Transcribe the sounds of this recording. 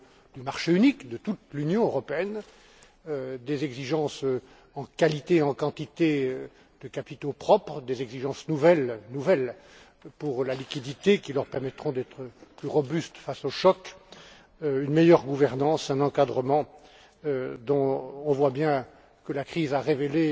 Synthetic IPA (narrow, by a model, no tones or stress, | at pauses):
d̪ymaʁʃeynikd̪ət̪ut̪lynjɔ̃øʁɔpeɛn | ød̪ezɛɡziʒɑ̃s | ɑ̃kalit̪eɑ̃kɑ̃t̪it̪e | d̪̥əkapit̪opχɔpχəd̪ezɛɡziʒɑ̃snuvɛlnuvɛl | puʁlalikʲid̪it̪ekʲilœʁpɛʁmɛt̪χɔ̃d̪ɛt̪χəplyʁɔbyst̪fasoʃɔk | ynmɛjœʁɡuvɛʁnɑ̃sɛ̃nɑ̃kad̪ʁəmɑ̃ | d̪ɔ̃ɔ̃vwabjɛ̃ | kəlakχizaʁevele